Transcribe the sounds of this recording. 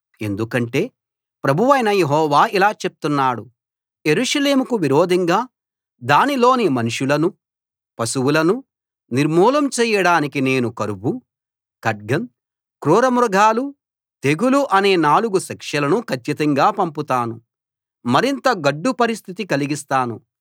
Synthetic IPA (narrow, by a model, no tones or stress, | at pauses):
e̞nd̪ukɐɳʈe̞ː | pɾɐbʱuʋɐjnɐjeɦɔːʋaːilaːt͡ʃe̞p̚t̪unːaːɽu | je̞ɾuːʂɐle̞ːmukuʋiɾoːd̪ʱɐŋɡaː | d̪aːnilo̞ːnimɐnuʂulɐnu | pɐsuwulɐnu | niɾmuːlɐmt͡ʃɛːjɐɽaːnikine̞ːnukɐɾubu | kɐɖ̚ɡɐn | kɾuːɾɐmɾɐɡʱaːlu | t̪e̞ɡuluʔɐne̞ːnaːluɡuʃɐkʂɐlɐnukʰɐt͡ʃːit̪ɐŋɡaːpɐmput̪aːnu | mɐɾint̪ɐɡɐɖːupɐɾist̪ʰit̪ikɐliɡist̪aːnu